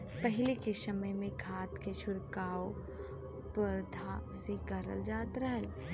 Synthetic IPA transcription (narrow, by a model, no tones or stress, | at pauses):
pɛɦɪlikesɐməjmẽɡʱaːt̪ket͡ʃʰʊɽkaːo | pəɾd̪ʱaseɡɐɾə̰ld͡ʒaːt̪ɾəɦɛ